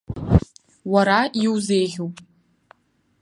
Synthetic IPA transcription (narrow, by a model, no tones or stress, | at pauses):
waɾaiwzeːjʁʲowpʼ